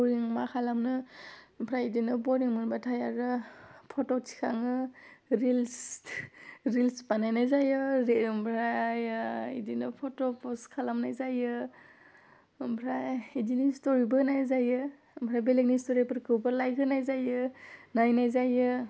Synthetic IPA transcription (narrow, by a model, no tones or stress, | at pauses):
ɾiŋmakʰalamnɯmpʰɾajidinɯbɔɾiŋmɯnbatʰajaɾɯpʰɔtɔtʰi̥kʰaŋɯɾils | ɾilspanajnajzajɯɾmpʰɾajḭdinɯpʰɔtɔpɔskʰalamnajzajɯ | mpʰɾaidinistɔɾibɯnajzajɯ | mpʰɾajbelek̚nistɔɾipɯɾkʰɯwbalajkʰɯnajzajɯnajnajzajɯ